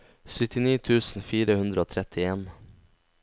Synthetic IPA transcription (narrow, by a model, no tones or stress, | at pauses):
sʏt̪ɪniːt̪ʰʉːsn̩fiːɾəhʉnd̪ɾəoːt̪ʰɾɛt̪ʰɪeːn